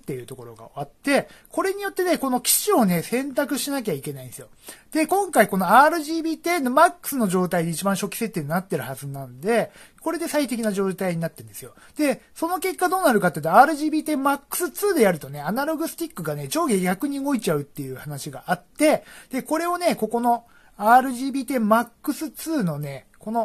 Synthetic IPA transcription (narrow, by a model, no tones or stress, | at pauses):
t̪ːe̞jɯ̟ːt̪o̞ko̞ɾo̞ɡa̰o̰βat̪ːe̞ko̞ɾe̞ɲ̟ijo̞t̪ːe̞ne̞ko̞no̞kʲi̥ɕio̞ne̞sẽ̞nt̪akɯ̟ɕinak̬ʲaikʲe̞naĩnd̪esɨjod̪̥e̞kõ̞ŋkaiko̞no̞aːɾɯ̟ʑiːbʲiːt̪e̞ːnomakːɯ̥sɨno̞ʑo̞ːt̪aid̪e̞it͡ɕibãɰ̃ɕo̞kʲi̥se̞t̪ːeɲinat̪ːe̞ɾɯ̟hazɨnãnd̪e̞ko̞ɾe̞d̪e̞sait̪e̞k̬ʲinaʑo̞ːt̪aiɲ̟inat̪ːend̪e̞sɨjo̞ | d̪̥e̞so̞no̞ke̞kːad̪oːnaɾɯ̟kat̪ːeiɯ̟t̪oaːɾɯ̟ʑiːbʲiːt̪emakːɯ̟̥sɨt͡sɨːd̪e̞jaɾɯ̟t̪o̞ne̞anaɾo̞ɡɯ̟sɨ̥t̪ʲikːɯ̟ɡane̞d͡ʑo̞ːɡʲeɡʲakɯ̟ɲ̟iɡo̞it͡ɕaɯ̟t̪ːe̞jɯ̟ːhanaɕiɡaʔat̪ːe̞d̪̥e̞ko̞ɾe̞o̞ne̞ko̞ko̞no̞ | aːɾɯ̟ʑiːbʲiːt̪e̞makːɯ̟sɨt͡sɨːno̞ne̞ | ko̞no̞